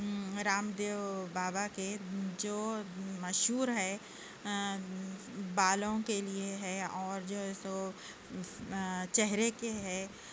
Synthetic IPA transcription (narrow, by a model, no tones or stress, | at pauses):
ɾaːmd̪eːʋbaːbaked͡ʒoːmɐʃɦuːɾɦɛː | baːlõkelieɦɛɔːɾd͡ʒoːso | t͡ʃɛɦɾekeɦɛː